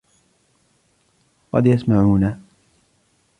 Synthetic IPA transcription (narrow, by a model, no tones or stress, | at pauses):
qɑ̰d̪jasmaʕuːna